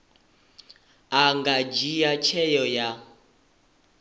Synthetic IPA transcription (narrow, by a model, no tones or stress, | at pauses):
aŋɡad͡ʒijat͡ʃʰɛjɔja